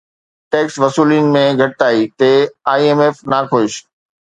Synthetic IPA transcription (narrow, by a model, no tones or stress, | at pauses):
ʈeːksʋɐsuːlin̆mẽɡʱɐʈɪt̪aːiːt̪eaːieːmeːfnaːkʰoʃ